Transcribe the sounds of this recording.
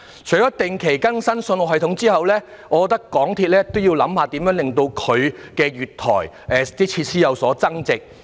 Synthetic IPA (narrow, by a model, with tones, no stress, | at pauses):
t͡ʃʰɵ˨˩ɥɔ˨ɐ˥t̪ɪ˨˩ŋkʰe˨˩jkɐ˥nsɐ˥nsɵ˧nɔː˨˧ɦɐ˨jt̪ʰʊ˨˥ŋt͡siː˥hɐ˨wlɛː˥ | ɔː˨˧kɔ˧t̪ɐ˥kːɔː˨˥ŋt̪ʰi˧t̚lɛː˥t̪o˥wji˧wlɐ˨˥mhaː˨t̪i˨˥mjœː˨˥ŋlɪ˨˩ŋt̪o˧wkʰɵ˨˧ɥkɛː˧ɥyː˨tt̪ʰɔː˨˩j | ʔɛː˨t̪iː˥t͡sʰiː˧t̚siː˥jɐ˨˧wsɔː˨˥t͡sɐ˥ŋt͡sɪ˨k̚